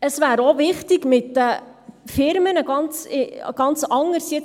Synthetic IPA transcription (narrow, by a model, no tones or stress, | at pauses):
əsvæːɾoʋɪχtɪɡmɪt̪ːəfɪɾmənəɡ̥ɑnt͡sɪɡ̥ɑnt͡sɑŋəɾsjɛt͡s